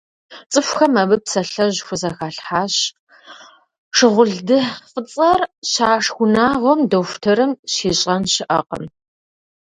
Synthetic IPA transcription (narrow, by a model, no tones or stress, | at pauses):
t͡sʼɨfʷxɐmɐbɨpsɐɬɐʑxʷʊzɐxaːɬħaːɕ | ʂɨʁʷʊɮdɨfʼət͡sʼɐrɕaːʂxʷʊnaːʁʷɔmdofʷtʰɐɾɨmɕiːɕʼɐnɕɪʔɐ̰qə̰m